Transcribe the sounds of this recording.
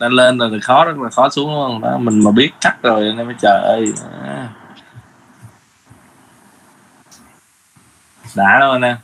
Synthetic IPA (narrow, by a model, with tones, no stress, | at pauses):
ɗa˨˧˦le˧nzo˨˩t̪ʰə˨˩jxɔ˨˦zə˦˥t̚laː˨˩xɔ˨˦su˨˦əŋhə˧ŋɗɔ̰˨˦mï˨˩ŋ̟maː˨˩ɓi˦˥ət̚t͡ɕa˦˥k̚zo˨˩jʔa˨˧˩na˧məː˨˦jt͡ɕəː˨˩ʔə˧ja̰˧ | ɗaː˧˩˦ɗə˧haː˧na˧